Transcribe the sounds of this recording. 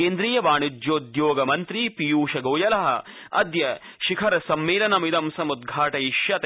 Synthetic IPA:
eːnd̪ɾiːjɐbaːɳid͡ʒjoːd̪joːɡɐmɐnt̪ɾipijuːʃɐɡoːjɐlɐɦɐ̰̆ | ɐ̰d̪jɐ | ʃikʰɐɾɐsɐmːeːlɐnɐmid̪ɐmsɐmud̪̚ɡʱaːʈɐjiʃjɐt̪

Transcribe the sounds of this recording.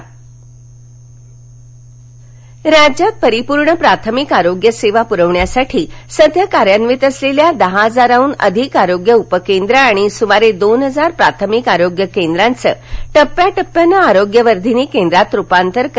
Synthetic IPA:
ɾad͡ʑjapəɾipuɾɳəpɾat̪ʰəmikaɾoɡjəseʋapuɾəʋɳjasaʈʰiːsəd̪ʱjəkaɾjanʋit̪əsleljad̪əɦaɦəd͡zaɾauːnə̰d̪ʱikaɾoɡjəupəkend̪ɾəːɽ̃isumaɾed̪onɦəd͡zaɾpɾat̪ʰəmikaɾoɡjəkend̪ɾãnt͡səːʈəpːjaʈəpːjanːaːɾoɡjəʋəɾd̪ʱiniːkend̪ɾat̪ɾupant̪əɾk

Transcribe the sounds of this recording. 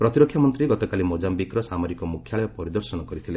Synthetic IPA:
pɾɔt̪iɾɔkʰːjamɔnt̪ɾiɡɔt̪ɔkalimod͡ʒambikɾɔsamɔɾikɔmukʰːjaɭɔjɔpɔɾid̪ɔɾsɔnɔkɔɾit̪ʰile

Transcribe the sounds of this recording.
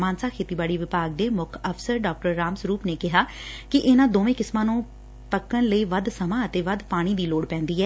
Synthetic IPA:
maːnsaːkʰeːt̪iːbaːɽiːʋɪpaːɡ̚d̪eːmʊkʰəpsəɾɖɔːk̚ʈəɾːaːmsɾuːpneːkɪɦaːkɪʔeːnãːd̪oːʋẽːkɪsmãːnũː | pəkːəɳləiːʋəd̪səmãːət̪eːʋəd̪paːɽ̃iːd̪iːloːɽpɛ̃ːnd̪iːɦɛː

